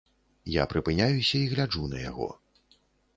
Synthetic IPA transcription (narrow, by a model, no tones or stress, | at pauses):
ja̰pɾɨpɨnʲajusʲɐiɣlʲad͡ʐunɐja̰ɣɔ̰